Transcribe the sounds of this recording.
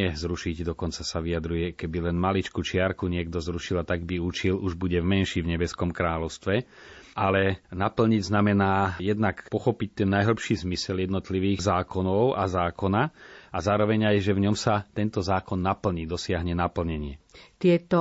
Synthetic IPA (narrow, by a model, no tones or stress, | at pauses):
ɛzɾuʃiɟd̪ɔkɔnt͡sasaʋijad̪ɾujɛkɛbilɛnmalit͡ʃkut͡ʃɪaɾkuɲɪɛɡd̪ɔzɾuʃilat̪aɡbiut͡ʃiluʒbuɟɛvmɛnʃiːvɲɛbɛskɔmkɾaːlɔʊst̪ʋɛʔalɛnapl̩ɲiɟznamɛnaːjɛd̪nakpɔxɔpic̚t̪ɛnːajɦl̩ˠpʃiːzmisɛljɛd̪nɔt̪liʋiːɣzaːkɔnɔʊʔa̰zaːkɔnaazaːɾɔʋɛɲajʒɛvɲɔmsat̪ɛnt̪ɔzaːkɔnːapl̩ɲiːd̪ɔsɪaɦɲɛnapl̩ɲɛɲɪɛt̪ɪɛt̪ɔ